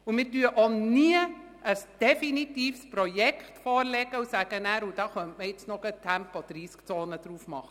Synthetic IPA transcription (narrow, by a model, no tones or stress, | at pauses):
ʊmɪːɾdyːəʔoniə | ʔəsd̥ɛfinitiːfspɾɔjɛkχtfɔːɾlɛɡəusæːɡ̥ənæːɾud̥ɑːχœntməɪt͡snɔɡətʰæmpod̥ɾiːskt͡soːnəd̥ɾuːfmɑ̰χə